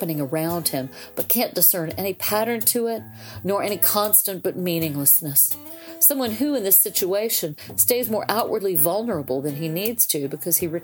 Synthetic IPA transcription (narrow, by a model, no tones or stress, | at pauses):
pɨnɪ̃ŋə˞ãʊ̃nd̚ɪ̃m | b̥ʌt̚kʰæ̃nd̥ɨsɜ̃˞nɛñipʰæɾə̃˞ntʰɨɪt̚ⁿ | nə˞ʔɛɾ̃ikʰɑ̃nstɨ̃nb̥ʌt̚mĩnɪ̃ŋləsnɨs | ʌ̃mwʌ̃nɦʉɨ̃nðɪsɪt͡ʃueɪʃɨ̃nsteɪzmɔɹʔaʊʔwʔə˞dˡlivʌlˠnə˞əbl̩ˠðɨ̃ninidz̥tʰʉbɨkʰʌz̥iɹɨ